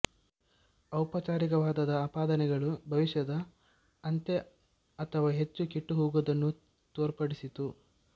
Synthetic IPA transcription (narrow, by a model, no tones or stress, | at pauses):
ɐwpɐt͡ʃaːɾikɐʋaːd̪ɐd̪ɐaːpaːd̪ɐnɛɡɐɭubʱɐʋiʃjɐd̪ɐ | ɐnt̪e | ɐt̪ʰɐʋaːɦe̞t͡ʃːukiʈːuɦuːɡud̪ɐnːu | t̪oːɾpɐɽisit̪u